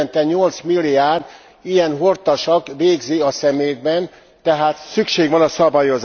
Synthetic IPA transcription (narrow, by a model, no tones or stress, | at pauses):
nt̪ɛɲo̞lt̪smilːijaːrd̪ | ijɛnɦort̪ɒʃɒkʋeːɡziɒsɛmeːd̪̚bɛn | t̪ɛɦaːt̪sykʃeːɡʋɒnɒsɒbajo̞z